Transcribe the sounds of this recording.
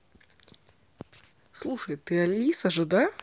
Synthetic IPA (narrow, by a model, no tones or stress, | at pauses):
slˠuʂɐjt̪ɨɐlʲisɐʐɨd̪a